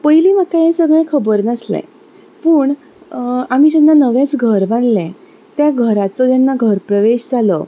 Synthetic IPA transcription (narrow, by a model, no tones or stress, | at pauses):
pəiliːmakajẽsəɡɭẽkʰəbəɾnəslɛ̰̃ | pəːɳ | amid͡ʑɛnːanəʋẽt͡sɡʱəɾʋaɳlɛ̃ | t̪jaɡʱəɾat͡sɔt̪janːaɡʱəɾpɾəʋeɕd͡zalɔ